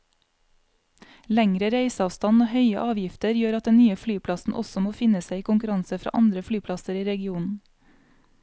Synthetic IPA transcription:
læŋɾəɾeɪsɑːʋst̪ɑnoːhœʏəʔɑːʋjɪft̪əɾjøːɾɑt̪̚d̪ɛnnyːəflyːpʰlɑsn̩ʔɔ̰sɔmoːfɪnəsæɪiːkʊŋkʉɾɑŋsəfɾɑ̰ːʔɑnd̪ɾəflyːpʰlɑsəɾiːɾɛɡɪuːnn̩

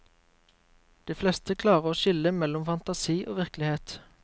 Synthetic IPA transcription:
d̪̥iːflɛst̪əkʰlɑːʁəoːʃɪləmɛlɔmfɑnt̪ɑsiːʔo̰ːʋɪʁklɪheːt̪

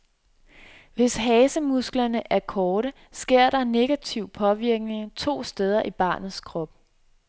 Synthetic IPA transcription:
ʋe̝sɦɛːsəmusɡ̥lɐnəʔæɐkʰɒːɾə | sɡ̥e̝ɐ̰ɾ̥ɑ̈ne̝ɡ̥æt͡sʰiʊ̰pʰɒ̽ʋiɐɡ̥ne̝ŋt͡sʰo̝̰ːsd̥eð̞ˠɐʔib̥ɑ̰̈ːnð̩ˠskʰʁɒ̽b̥̚

